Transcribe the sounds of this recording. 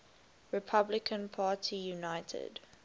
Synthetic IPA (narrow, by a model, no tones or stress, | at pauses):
ɹɪpʰablɪkʰə̃npʰaːtʰijunaɪtʰə̰d